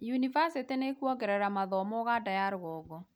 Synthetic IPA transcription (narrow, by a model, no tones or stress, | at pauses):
junivasitenekuɔɡɛɾɛɾamaðɔmɔɣadajaɾɣɔːɣɔ